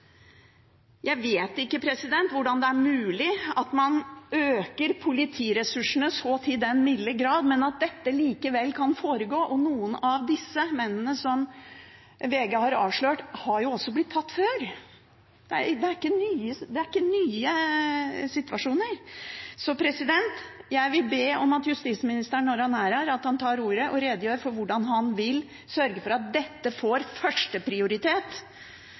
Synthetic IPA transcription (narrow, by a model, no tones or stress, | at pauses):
jʔæɪʋeːt̪ɪkːəpʰɾɛsɪd̪ɛnt̪ʋʊɖɑnd̪ɛæɾmʉːlɪɑt̪mɑnøːkəɾpʰʊlɪt̪ʰiːɾɛsʉʂəɳəsɔːt̪ʰɪd̪ɛnmɪd̪ləɾɡɾɑːd̪mɛnɑt̪̚d̪ɛt̪ːəliːkəʋɛlːkʰɑnfoːɾəɡoːʔɔnuːənɑʋd̪ɪsːəmɛnːənəsɔm | ʋeːɡəhɑɾɑ̰ːʋʂɭøːʈhɑɾjʊɔsːɔblɪt̪ʰːɑt̪ːføːɾ | d̪̥ɛæ̰ɾd̪ɛæɾɪkːənyːəd̪ɛæɾɪkːənyːə | sɪt̪ʋɑʂuːnəɾsɔpʰɾɛsɪd̪ɛnt̪ | jæɪʋɪlbeːɔmɑt̪jʉst̪iːsmɪnɪst̪əɳːɔɾhɑnæɾæɾɑt̪hɑnt̪ʰɑːɾuːɾəʔɔɾeːd̪əjøːɾfɔɾʋʊɖɑnɦɑnʋɪl | sœɾɡəfɔɾɑt̪̚d̪ɛt̪ːəfoːɾfœʂʈəpʰɾɪʊɾɪt̪ʰeːt̪